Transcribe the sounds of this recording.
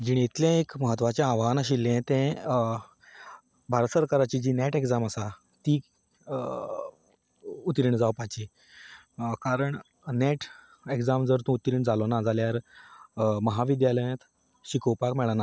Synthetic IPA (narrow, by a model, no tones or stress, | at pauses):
d͡ʑiɳet̪ljẽekməɦət̪ʋat͡ɕẽãʋanaɕilːẽt̪ɛ̃ | bʱaɾət̪səɾkaɾat͡ɕiːd͡ʑiːnɛʈekd͡zaməsa | t̪iː | ut̪ɾiɳd͡zawpat͡ɕi | kaɾəɳ | neʈ | ekd͡zamd͡zəɾt̪ũut̪ɾiɳd͡zalonad͡zaljaɾ | məɦaʋid̪jaləjẽt̪ | ɕikowpakmɛɭana